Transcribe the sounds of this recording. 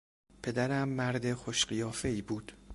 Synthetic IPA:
pʰe̞d̪æɾæmːæɾd̪e̞xoʃɢijɒːfe̞iːbuːd̪̥

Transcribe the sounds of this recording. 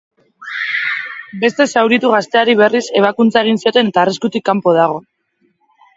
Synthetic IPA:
be̞st̪e̞sawɾit̪uɣast̪e̞aɾiβ̞e̞rise̞β̞akunt͡sae̞ɣ̞insio̞t̪e̞ne̞t̪aːriskut̪ikːampo̞ð̞aɣ̞o̞

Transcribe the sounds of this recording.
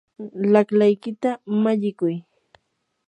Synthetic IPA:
laklajkɪt̪amaʎɪkʊj

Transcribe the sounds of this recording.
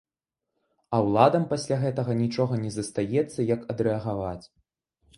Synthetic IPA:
ɐwlˠad̪ɐmpasʲlʲaɣɛt̪ɐɣɐnʲit͡ʂɔɣɐnʲɛzɐst̪ajɛt̪sːɐjɐkɐd̪ɾɛɐɣavat͡sʲ

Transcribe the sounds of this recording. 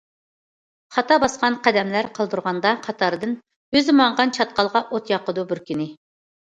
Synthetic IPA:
χɑt̪ɑbɑsqɑnqʰæd̪ɛmlæɾqʰɑlˠd̪uɾʁɑnd̪ɑqʰɑt̪ʰɑɾɨd̪ɨn | øzmɑɴʁɑnt͡ʃʰɑt̪̚qɑlˠʁɑʔot̪jɑqəd̪ubɪɾkʲynɪ

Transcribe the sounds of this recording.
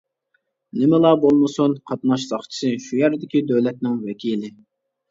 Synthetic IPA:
nɪmɪlˠɑbolˠmɨsunqʰɑt̪nɑʃsɑχt͡ʃʰi̥sɨʃujæɾd̪ɪkʲid̪øwlɛt̪̚nɪŋwɛkʲʰilɪ

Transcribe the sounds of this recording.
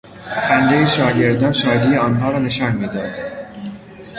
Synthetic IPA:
fænd̪ejeʃɒːɟe̞ɾd̪ɒːnʃɒːd̪iːjeɒːnɦɒːɾɒːne̞ʃɒːnmiːd̪ɒːd̪̥

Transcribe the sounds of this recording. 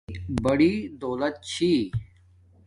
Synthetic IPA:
bəɽiːd̪oːlət̪̚t͡ɕʰiː

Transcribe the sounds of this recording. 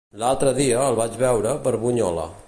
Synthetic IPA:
lalˠt̪ɾəðiəːlˠβad͡ʒβɛwɾəβəɾβuɲɔlə̰

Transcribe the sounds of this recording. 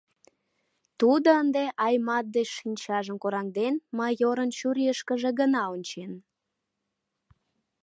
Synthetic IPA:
t̪ud̪oənd̪eʔɑjmɑt̪̚d̪einʲt͡ɕɑʒəmkoɾɑŋd̪enmɑjoɾənt͡ɕuɾiəʃkəʒeɣənɑonʲt͡ɕen

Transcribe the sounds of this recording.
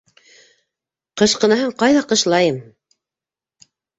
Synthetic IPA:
qɤ̆ʃqɤ̆nɑhɤɴqɑjðɑqɤ̆ʃlˠɑjɤm

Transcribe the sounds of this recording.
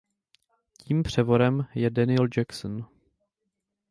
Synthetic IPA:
ciːmpr̝̥ɛvo̞ɾɛmjɛdɛnɪld͡ʒɛksn

